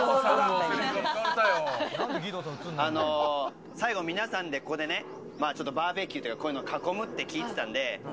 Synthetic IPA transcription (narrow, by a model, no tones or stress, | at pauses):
oo | ajoɡʲid̪oano̞ | saiɡo̞mʲinasãnd̪e̞ko̞ko̞d̪e̞ne̞ | maːt͡ɕo̞t̪ːo̞baːbe̞ːkʲɨt̪ojikakojɯ̟nokako̞mɯ̟t̪ːe̞kʲiːt̪e̞t̪ãnd̪e̞